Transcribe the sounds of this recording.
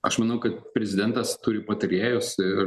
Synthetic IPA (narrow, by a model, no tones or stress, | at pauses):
ɐʃmɐnɐʊkɐt̪̚pʲɾʲɛzʲɪd̪ʲɛnt̪ɐst̪ʊɾʲɪpɐt̪ɐɾʲeːjoːsɪr